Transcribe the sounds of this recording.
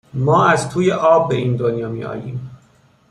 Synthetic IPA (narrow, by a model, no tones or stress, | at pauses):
mɒːæzt̪ʰuːjeʔɒːbːeʔiːnd̪onjɒːmḭʔɒ̰ːjḭːm